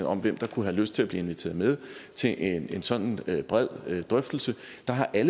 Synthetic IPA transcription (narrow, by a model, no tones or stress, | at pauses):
ɒ̽mʋem̰d̥ɑ̈kʰuɦæløsd̥̚t͡sʰe̝læb̥liːe̝nʋit͡sʰe̝̰ːɐðˠmeð̞ˠt͡sʰe̝ʔene̝nsɒ̽n̰n̩b̥ʁɛð̞̰ˠød̥ʁœfd̥l̩sə | d̥ɑ̈ɦɑ̈ʔælə